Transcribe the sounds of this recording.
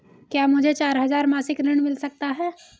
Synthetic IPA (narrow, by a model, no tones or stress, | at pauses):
kjaːmʊd͡ʒʱet͡ʃaːɾɦɐzaːɾmaːsɪkɾɪɽ̃mɪlsɐk̚t̪aɦɛː